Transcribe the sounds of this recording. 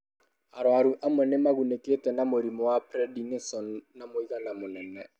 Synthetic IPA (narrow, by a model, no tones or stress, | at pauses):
aɾɔaɾuʔamʊnɛmaɣunekʼɪtʼɛnamʊɾimɔwapʰrɛdiŋsɔn̩namoikanamʊnɛnɛ